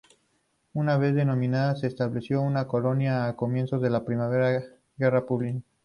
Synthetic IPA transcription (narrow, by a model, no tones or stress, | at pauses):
unaβe̞zðe̞no̞mĩnaðase̞ːst̪aβle̞sjo̞unako̞lo̞njaːko̞mje̞nsozðe̞lapɾimaβeɾa | ɡe̞rapuβlina